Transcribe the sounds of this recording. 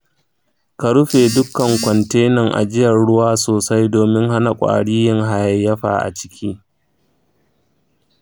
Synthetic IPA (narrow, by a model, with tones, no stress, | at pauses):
ka˨ɽʊ˦ɸeː˨dʊ˦kːɐ˨ŋkʷɔ˨nteː˦nɐ˨ŋʔa̰˨d͡ʒɪ˦jɐ˨ɽʊ˦waː˦soː˨sa˦jdoː˨mɪ˦ŋha˦na˨kʷʼa̰ː˨ɽiː˦jɪ˦ŋɦa˨jɐ˦jːɐ˦ɸa̰ː˨ʔa̰˨t͡ʃɪ̥˦kʲʰiː˦